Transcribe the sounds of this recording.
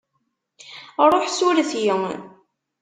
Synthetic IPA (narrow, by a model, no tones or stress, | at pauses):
ɾˤoħsuɾθjəŋ